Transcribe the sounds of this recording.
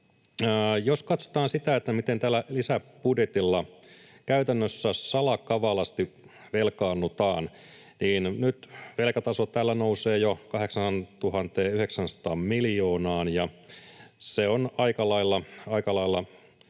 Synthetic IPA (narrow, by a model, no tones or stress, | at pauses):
joskɑt̪so̥t̪ɑːnsit̪æet̪ːæmit̪ent̪æːlːælisæb̥udjet̪ilːɑkæyt̪ænːøsːæsɑlɑkɑʋɑlɑst̪i | ʋelkɑːnːut̪ɑːn | niːnnyt̪ʋelkæt̪ɑsot̪æːlːænouseːjokɑɦheksɑnt̪uhɑnt̪eːyheksænsɑ̥t̪ɑːmmiljoːnɑːnjɑ | seonɑikɑlɑilːɑɑikɑlɑilːɑ